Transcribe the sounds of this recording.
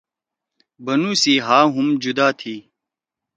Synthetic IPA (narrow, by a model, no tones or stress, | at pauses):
bɐnuːsiːɦaːɦumd͡ʑud̪aːt̪ʰiː